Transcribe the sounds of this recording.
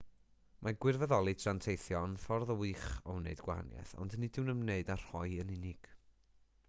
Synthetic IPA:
mʔaɡwɪrvɛðɔlˠitʰrantʰejθjɔnfɔrðɔwɨːχɔnḛɨdɡwa̰ɦa̰njɛ̰θɔ̰ndnidɪwnəmneɨdar̥hɔɨənɪnɪɡ̥

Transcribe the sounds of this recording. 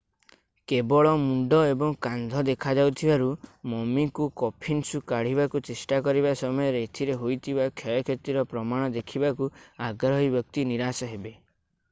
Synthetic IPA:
kebɔɭɔmuɳɖɔebɔŋkand̪ʱɔd̪ekʰad͡ʒawt̪ʰibaɾumɔmikukɔpʰinsukaɽ̤ibakut͡ʃesʈakɔɾibasɔmɔjɔɾet̪ʰiɾeɦojt̪ʰibakʰjɔjɔkʰet̪iɾɔpɾɔmaɽ̃ɔd̪ekʰibakuaɡɾɔɦibjɔk̚t̪iniɾasɔɦebe

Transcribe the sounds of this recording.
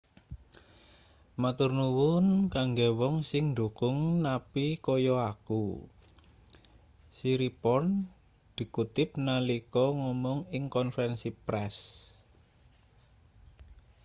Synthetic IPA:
mat̪urnuwʊnkaŋɡewɔŋsɪŋnd̪ṳkʊŋnapikɔjɔakṵ | siɾipɔn | d̪̥i̤kut̪ɪp̚nalikɔŋɔmɔŋɪŋkɔnfɛnsipɾɛs

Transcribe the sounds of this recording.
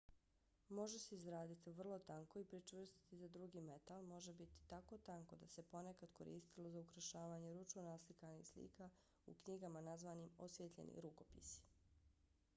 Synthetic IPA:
mo̞ʒeseizɾaːd̪it̪iʋr̩lˠo̞t̪aŋko̞ipɾit͡ʃʋr̩st̪i̥t̪id̪ad̪ɾuɡiːmet̪alˠmo̞ʒebit̪i̥t̪ako̞t̪aŋko̞d̪ase̞po̞nekad̪koɾḭːst̪ilˠo̞zaukɾaʃaːʋaɲeɾut͡ʃonaslikanḭxslḭːka | ṵkɲiɡamanazʋaːniːmosʋet̪ʎʲḛnʔḭɾuko̞pisi̥

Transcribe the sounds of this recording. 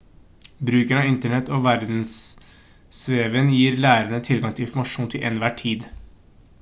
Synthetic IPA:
bɾʉːkæɳɑːɪnt̪əɳɛt̪ːoːʋæɾd̪n̩s | sʋeːʋənjiːɾlæːɾənət̪ʰɪlɡɑŋt̪ʰɪlɪnfmɑʂuːnt̪ʰɪlʔɛnʋæːʈʰiːd̪

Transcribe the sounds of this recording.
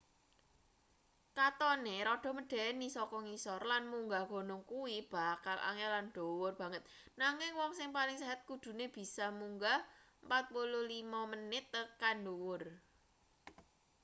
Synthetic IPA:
kat̪ɔneɾɔɖ̥ɔ̤məɖ̥ɛ̤nisɔkɔŋisɔrlanmuŋɡaɡ̥o̤nʊŋkuwib̥a̤kalʔa̰ŋɛlanɖ̪̥ɔ̤wʊrb̥ä̤ŋət̪̚ | naŋɪŋwɔŋsɪŋpalɪŋsɛɦət̪̚kud̪̥ṳneb̥i̤samuŋɡaəmpat̪̚pulʊlimamənɪt̪ːəkanɖuwʊr

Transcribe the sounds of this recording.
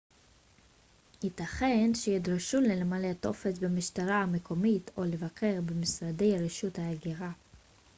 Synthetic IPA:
itaχe̞nʃejidʁaʃulelemaleto̞̰fesbemiʃtaʁaame̞kʰo̞mitʰo̞le̞vakʰe̞ʁbemisʁade̞jaʁeʃuthaaɡiʁa

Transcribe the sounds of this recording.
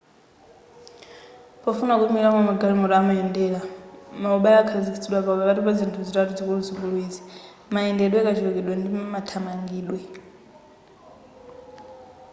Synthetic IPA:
pʼɔfunakumiɺamamaɡaɺimɔɾaːmaɛndɛːlamauɓaakʰazistʰiɗwapauɓaβatipad͡zintʰud͡zitʼatʼud͡zikuɺud͡zikuɺweːzi | maɛndɛɗwɛk̬ʼad͡ʒʰiwɛk̬ɛɗwɛndimatʰamaŋɡiːlwɛ

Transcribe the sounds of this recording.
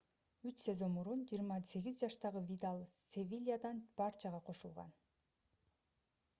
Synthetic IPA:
yt͡ʃse̞zo̞mːuɾund͡ʒijːɾmɑse̞ɡizd͡ʒɑʃt̪ɑʁɯvʲid̪alˠsʲevʲilʲijad̪ɑnb̥ɑɾt͡ʃʰɑʁɑqʰo̞ʃulˠʁɑ̰n

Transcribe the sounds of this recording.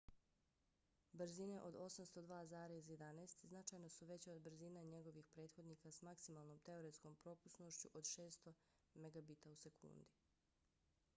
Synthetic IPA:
bɾ̩zine̞ʔo̞d̪o̞samst̪o̞d̪ʋaːzaːɾezjed̪aneːst̪znat͡ʃajno̞suʋe̞t͡ɕod̪br̩ziːnaɲe̞ɡo̞ʋixpɾe̞ːd̪xo̞d̪niːkasmaksimaːlˠnomt̪e̞oɾet̪sko̞mpɾo̞pusnoʃt͡ɕuʔo̞d̪ʃe̞ːst̪o | meɡabit̪ause̞kʰṵːnd̪i

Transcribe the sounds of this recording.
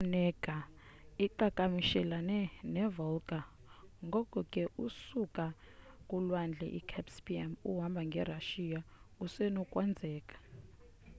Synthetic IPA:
nɛkʼa | iǃakʼamiʃɛlanɛnɛvɔlkʼa | ŋɡʱɔkʼɔkʼɛʔusukʼa | kʼulwand͡ɮʱɛ̰ʔḭkʰɛpspʼiɛmuɦambʱaŋɡʱɛraʃijausɛnɔkʼwand͡zʱɛːkʼḁ

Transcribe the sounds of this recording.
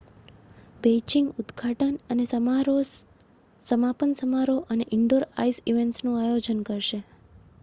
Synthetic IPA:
bet͡ʃĩŋɡʊd̪ɡʱaʈənənesəmaɾo | səmapənsəmaɾoʔəneʔɪɳɖoɾa̰isiʋeɳʈsnũajod͡ʒənkəɾʃe

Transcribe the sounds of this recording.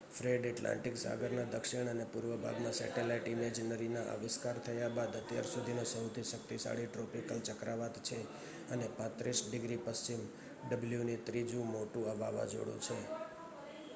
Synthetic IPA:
fɾeɖɛʈlã̰ɳʈɪksa̰ɡəɾnad̪əkʃɪɳ̃ənepʊɾʋəbʱa̰ɡmãsɛ̰ʈelaiʈimed͡ʒnəɾinaʔa̰ʋɪskaɾt̪ʰəjabad̪ət̪ja̰ɾsud̪ʱinosəwt̪ʰisək̚t̪isa̰ɭiʈɾɔpikəlt͡ʃəkɾaʋat̪t͡ʃʰe | ənepãt̪ɾisɖɪɡɾipəst͡ʃim | ɖəbljunit̪ɾid͡ʒũmoʈũəʋaʋa̰d͡ʒo̰ɽṵ̃t͡ʃʰe

